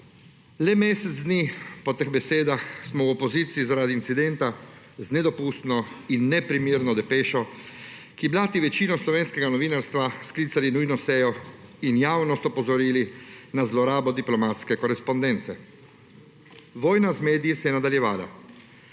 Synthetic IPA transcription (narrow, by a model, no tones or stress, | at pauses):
lɛmeːsɛd̪zd̪niːpɔt̪əɣbɛseːd̪axsmɔwɔpɔziːt̪siizaɾaːd̪iːnt̪sid̪ɛnt̪a | znɛd̪ɔpuːst̪nɔinːɛpɾimiːɾnɔd̪ɛpeːʃɔ | kiblaːt̪iʋɛt͡ʃiːnɔslɔʋeːnskɛɡanɔʋiːnaɾst̪ʋasklit̪salinujnɔsɛːjɔinjaːwnɔst̪ɔpɔzɔɾiːlinazlɔɾaːbɔd̪iplɔmaːt̪skɛkɔɾɛspɔnd̪ɛnt̪sɛ | ʋɔːjnazmeːd̪ijisɛjɛnad̪aljɛʋaːla̰